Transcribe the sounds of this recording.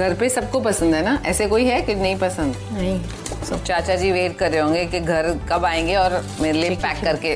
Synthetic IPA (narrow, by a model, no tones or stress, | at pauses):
ɡʱɐɾpesɐb̚kopɐsə̃nd̪ʱɦɛnaʔɛːsekoːiɦɛkɪnɐɦĩpɐsə̃nd̪ɛnɐɦĩ | t͡ʃaːt͡ʃad͡ʒiːʋeːʈ̚kɐɾːeɦõːŋɡekiɡʱɐɾkɐbaːẽːŋɡeɔːɾ | meːɾeliepɛːkːɐɾke